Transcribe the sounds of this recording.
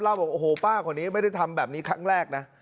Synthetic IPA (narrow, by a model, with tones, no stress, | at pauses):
laː˥˩wbɔː˨˩k̚ʔːhoː˨˩˦paː˥˩kʰɔ˧˩˦nːiː˦˥ma˥˩jda˥˩jt̪ʰa˧mbɛː˨˩p̚niː˦˥kʰa˦˥ŋɾɛː˥˩k̚na˦˥